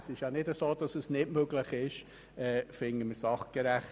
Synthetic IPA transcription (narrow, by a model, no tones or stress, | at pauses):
sɪʃjɑnɪdəsoːd̥ɑsəsnɪtmøɡlɪχɪʃ | ɛːfɪŋəməɾsɑχɡ̥ɛɾæχ